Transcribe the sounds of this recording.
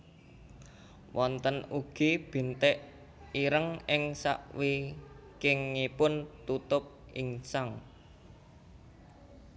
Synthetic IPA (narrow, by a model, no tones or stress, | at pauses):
wɔnt̪ənuɡ̥ib̥i̤nt̪ɛʔ | iɾəŋɪŋsa̰ʔwi | kɪŋːipʊnt̪ut̪ʊp̚ | iŋsaŋ